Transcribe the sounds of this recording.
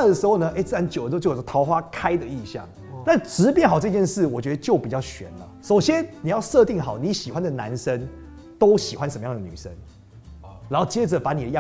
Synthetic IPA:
a˥˩d̪ə˨˩ʂɻ̩˧˥xo˥˨ʊnə˧ʔe˥ɪt͡sɹ̩˥˩a˧˦˥nt͡ɕjdə˩˧˥t͡ɕo˥˩o˩˧˥ɑ˧˥ʊxwa˦kʰa˦ɪd̪ə˨i˥˧ɕjɑ̰˥˩ŋ | t̪a˥˩nʈ͡ʂɻ̩˧˥pjɛ˥˩nxɑ˨˩ʊʈ͡ʂɤ˥˧t͡ɕjɛ˥˧nʂɻ̩˥˩wɔ˨˩t͡ɕɥɛ˧˦d̪ə˧t͡ɕjo˥˩ʊpi˨˩t͡ɕjɑ˥˩ʊɕɥɛ̰˨˧˦nlə˦so˨˩ʊɕjɛ˦nni˨˩jɑ˥˧ʊʂɤ˥˧t̪i˥˩ŋxɑ˨˩ʊni˨˧˥ɕi˨˩xwa˦nd̪ə˨˩na̰˧˦˥nʂə˦n | t̪o˥ʊɕi˨xwa˦nʂə˧mə˦jɑ˥˨ŋd̪ə˩ny̰˨˩ʂə̰˦n | ɻa˧˦nho˥˩ʊt͡ɕjɛ˦˥d͡zə˨pa˧˦ni˨d̪ə˦jɑ˥˨

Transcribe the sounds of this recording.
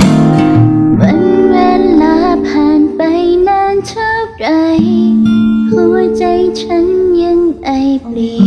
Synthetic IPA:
wə˧˥˦nwɛː˧nlaː˧˦pʰaː˨˩npa˧jnaː˧nt͡ɕʰa˥˩p̚t͡ɕa˧˩j | hʰu˧˩˦ət͡ɕa˧jt͡ɕʰa˧˦˥nɲi˧˥ənʔa˧˩jpli˨˩

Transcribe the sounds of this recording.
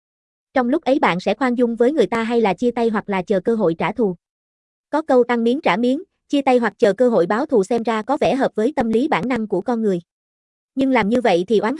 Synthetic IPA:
t͡ɕɔ˧wŋ͡mlʊ˦˥k͡p̚ʔə˨˦jɓa̰ː˧˨nsɛ̰˧˥xwaː˧nzʊ˧ŋ͡mvəː˨˦jŋɨ˨˩əjt̪aː˧ɦa˧jlaː˨˩t͡ɕi˧ət̪a˧jɦwa˨˩k̚laː˨˩t͡ɕəː˨˩kəː˧ɦo̰˧˨jt͡ɕaː˧˩t̪ʰu˨˩ | kɔ˨˦kə˧wt̪a˧ŋmi˨˦ənt͡ɕaː˧˩mi˨˦ən | t͡ɕi˧ət̪a˧jɦwa˨˩k̚t͡ɕəː˨˩kəː˧ɦo̰˧˨jɓaː˨˦wt̪ʰu˨˩sɛ˧mzaː˧kɔ˨˦vɛ̰˧˩ɦəː˨˩p̚vəː˨˦jt̪ə˧mli˨˦ɓa̰ː˧˩nna˧ŋku˧˩əkɔ˧nŋɨ˨˩əj | ɲɨ˧ŋlaː˨˩mɲɨ˧və̰˧˨jt̪ʰi˨˩ʔwaː˨˦n

